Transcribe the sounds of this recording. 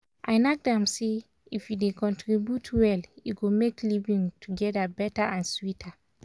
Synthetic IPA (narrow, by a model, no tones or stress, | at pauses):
ʔãɪnak̚dɛ̃mse | ifjudekɔ̃ntʰɹibjutʰwɛljuɡomeklivĩŋtʰuɡɛdabɛtaãnswitʰa